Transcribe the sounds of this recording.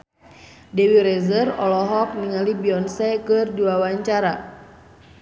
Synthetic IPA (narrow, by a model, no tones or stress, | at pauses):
dɛwiɾɛzərɔlɔɦɔk̚niŋalibiɔnsɛkɨrduawaɲt͡ʃaɾa